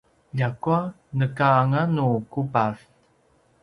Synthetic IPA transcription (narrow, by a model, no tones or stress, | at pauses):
ʎakua | nəkaːŋanukupaɬ